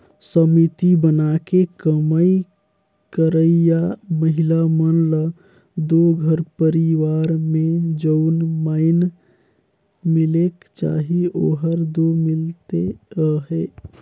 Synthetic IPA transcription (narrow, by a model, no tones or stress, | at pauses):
səmit̪ibənakekəməi | kəɾəjaməɦilamənlə | d̪oɡʱəɾpəɾiʋaɾmẽd͡ʒəʊnmaɪn | milekt͡ʃa̰ɦioːɦəɾd̪omɪlt̪eɦɛ